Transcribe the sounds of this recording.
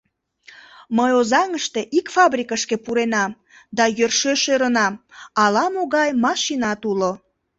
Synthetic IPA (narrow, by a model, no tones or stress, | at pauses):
məjozɑŋəʃt̪eʔikfɑbrikəʃkepuɾenɑm | d̪ɑjørʃøʃøɾənɑmɑlɑmoɣɑjmɑʃinɑt̪ulo